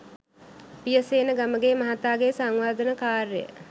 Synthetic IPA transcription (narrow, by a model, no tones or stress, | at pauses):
pijəseːnəɡaməɡeːmɐɦat̪aːɡeːsaŋʋaːd̪ənəkaːrəjə̰